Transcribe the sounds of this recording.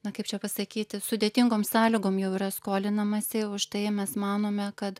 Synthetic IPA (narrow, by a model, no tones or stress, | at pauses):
nɐkɐɪpt͡ʃʲɛpɐsɐkʲiːt̪ʲɪsʊd̪ʲeːt̪ʲɪŋɡoːmsɑːlʲɪɡoːmjɛʊiːɾɐskoːlʲɪnɐmɐsʲɪʊʃt̪ɐɪmʲɛsmɑːnoːmʲɛkɐt̪